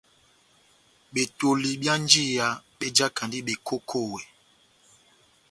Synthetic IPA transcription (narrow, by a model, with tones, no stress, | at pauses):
ɓe˨to˨li˨bja˦n˦d͡ʒi˦˨ja˨ɓe˦d͡ʒa˦ka˨ndi˦ɓe˨ko˦kʰo˦˨we˨